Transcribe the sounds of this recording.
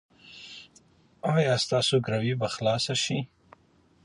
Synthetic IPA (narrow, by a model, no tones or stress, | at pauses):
ajɑst̪ɑːsoɡɾawibaxlɑsaʃi